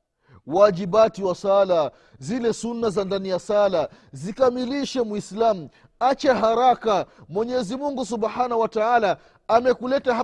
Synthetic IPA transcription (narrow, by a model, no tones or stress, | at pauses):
wad͡ʒiɓatiwasala | zilɛsunːazandanijasala | zikamiliʃɛmuislamu | at͡ʃɛɦaɾakamwɛɲɛzimuŋɡus̬uɓħanawataalaː | mɛkulɛtaɦ